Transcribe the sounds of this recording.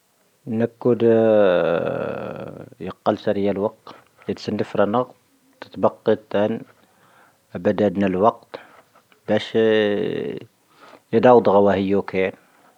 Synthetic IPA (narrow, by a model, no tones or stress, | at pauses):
nækːud̪ | jəqːɑlsæɾjælwɑq̚t̪ | jəd̪sənːəfɾɑnəq | t̪ə̥t̪bɑqːit̪ːæn | bæd̪æd̪nælwɑqt̪ | bæʃ | jəd̪ɑwəd̪ˤɣɑwæhəjːukæn